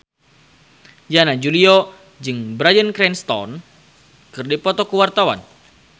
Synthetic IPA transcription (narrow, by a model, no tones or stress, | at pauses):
janad͡ʒulio | d͡ʒɨŋbɾajənkɾɛnst̪ɔ̰n | kɨrdipɔt̪ɔkəwart̪awa̰n